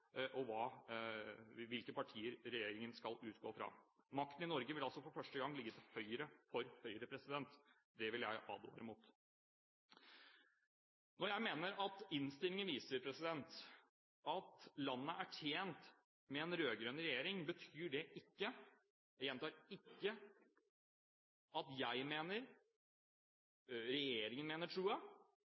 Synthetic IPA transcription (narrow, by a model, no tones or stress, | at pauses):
ʔɔʋɑː | ʋɪlkəpɑʈʰiːəɾɾɛjeːɾɪŋənskɑlʉːt̪ɡoːfɾɑ̰ːmɑk̚t̪ən̩ɪnɔɾɡəʋɪlɑlsɔfɔɾfœʂʈəɡɑŋːlɪɡːət̪ʰɪlhœʏəɾəfɔɾhœʏəɾəpʰɾɛsɪd̪ɛnt̪ | d̪ɛʋɪljæ̰ɪʔɑ̰ːd̪ʊd̪æɾɪmuːt̪ | nɔɾjæɪmeːnəɾɑt̪ɪnst̪ɪlɪŋənʋiːsəɾpʰɾɛsɪd̪ɛnt̪ | ɑt̪lɑnːəʔæʈʰjeːnt̪ | mɛɛnɾøːɡɾøːnɾɛjeːɾɪŋbət̪ʰyːɖɛʔɪkːə | jæjɛnt̪ɑːɾɪkːə | ɑt̪jæɪmeːnəɾ | ɾɛjeːɾɪŋənmeːnəʈʰɾuːə